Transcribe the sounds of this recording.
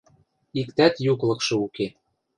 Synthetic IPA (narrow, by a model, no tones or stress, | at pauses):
ikt̪æt̪juklˠɤ̆kʃɤ̆uke